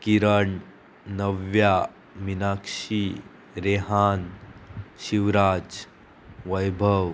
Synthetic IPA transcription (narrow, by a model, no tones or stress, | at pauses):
kiɾəɳ | nəʋja | minaːkʂi | ɾeɦaːn | ʃiʋɾaːd͡ʒ | ʋəjbʱəʋ